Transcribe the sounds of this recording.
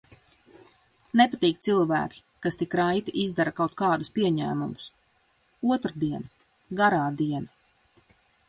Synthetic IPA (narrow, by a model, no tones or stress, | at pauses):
nepat̪iːk̚t̪silˠvæ̰ːkʲi̥ | kast̪ikɾajt̪iʔizd̪aɾakawt̪̚kaːd̪ʊspiɛɲæ̰ːmumʊs | uɔt̪ɾad̪iɛna | ɡaɾaːd̪iɛna